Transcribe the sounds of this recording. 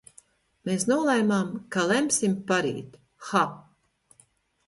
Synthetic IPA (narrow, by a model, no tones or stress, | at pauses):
meːsnuɔlˠajmamkalɛmsimpaɾḭːt̪ | xa